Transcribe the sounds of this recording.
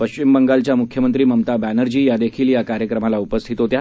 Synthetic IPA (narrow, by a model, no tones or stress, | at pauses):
pəɕt͡ɕimbəŋɡalt͡ɕjamukʰjəmənt̪ɾiːməmt̪abænəɾd͡ʑiːjad̪ekʰiːljakaɾjəkɾəmalaupəst̪ʰit̪ot̪ja